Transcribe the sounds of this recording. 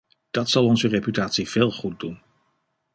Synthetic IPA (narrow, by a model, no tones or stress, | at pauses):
d̥ɑtsɑlˠɔnzərepytaːtsiv̥eːlˠχut̚dun